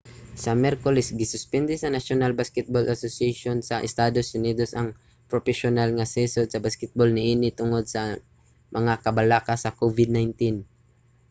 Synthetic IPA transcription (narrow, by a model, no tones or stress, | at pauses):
sɐmjɛɾkolɛsɡɪsʊspɛnd̪ɪsɐnaʃjonalbaskɛt̪̚bolʔasosɪaʃonsɐʔɛ̰st̪aːd̪osːʊniːd̪osʔɐŋ | pɾopɛʃonalŋɐsɛsod̪̚sɐbaskɛt̪̚bolnɪʔiːnɪt̪ʊŋod̪̚sɐ | mɐŋakɐbɐlakasɐkovɪd̪̚najnt̪in